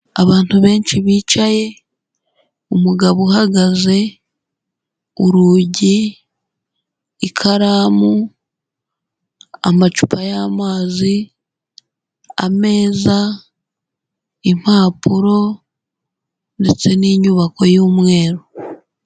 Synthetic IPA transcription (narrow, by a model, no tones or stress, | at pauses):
aβaːntuβe̞ːɲt͡ʃiβiːt͡ʃaje̞ | umuɡaβuhaɡaze̞ | uɾuːɟi | kʰaɾaːmu | a̰mat͡ʃu̥pʰajamaːzi | a̰me̞ːza | im̥haːpuɾo̞ | ndet͡se̞niːɲuβako̞juːmwe̞ːɾo